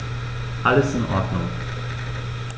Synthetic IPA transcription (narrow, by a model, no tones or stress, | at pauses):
ʔaləsɪnʔɔ̰ːdnʊ̰ŋ